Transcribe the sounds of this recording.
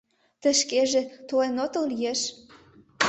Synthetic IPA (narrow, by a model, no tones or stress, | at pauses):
t̪ə̆ʃkeʒĕt̪olenot̪ə̆llijeʃ